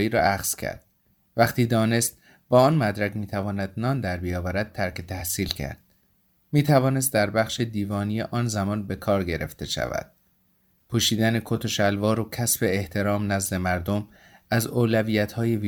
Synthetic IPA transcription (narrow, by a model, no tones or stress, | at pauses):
iːɾɒ̰ːʔæxz̥cʰæ̰ɾd̪̥ | væχt̪ʰiːd̪ɒːne̞st̪̚ | b̥ɒːɒːnmæd̪ɾækmiːt̪ʰævɒːnæd̪̥̚nɒːnd̪æɾbijɒːvæɾæd̪̥̚tʰæɾcʰet̪ʰæhsiːlcʰæ̰ɾd̪̥̚ | miːt̪ʰævɒːne̞s̬t̪̚d̪æɾbæχʃed̪iːvɒːnijeʔɒːnzæmɒːnbe̞kʰɒːɾɟe̞ɾe̞̰ft̪e̞ʃæ̰væ̰d̪̥̚ | pʰuːʃiːd̪ænekʰot̪ʰoʃælvɒːɾocʰæsbe̞eht̪ʰe̞ɾɒːmnæzd̪e̞mæɾd̪o̞m | æzoːlæviːjæt̪ʰhɒːje̞viː